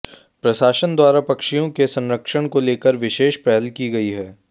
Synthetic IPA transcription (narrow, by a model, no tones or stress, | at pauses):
pɾɐʃaːʃənd̪waːɾapɐkʃijõkesɐ̃nɾəkʃəɽ̃koleːkəɾʋɪʃeːʃpɾɛɦəlkiɡɐiɦɛː